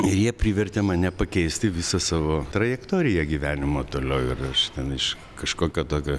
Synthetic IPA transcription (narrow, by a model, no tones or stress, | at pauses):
ɪɾjiɛpʲɾʲiːʋʲɛrʲt̪ʲɛːmɐnʲɛpɐkʲɛɪsʲt̪ʲɪʋʲisɐsɑːʋoːt̪ɾɐjɛkt̪oːɾʲɪjɛɡʲiːʋʲæːnʲɪmoːt̪oːlʲɛʊɪɾɐʃt̪ʲɛnɪʃ | kɐʃkoːkʲot̪oːkʲɛ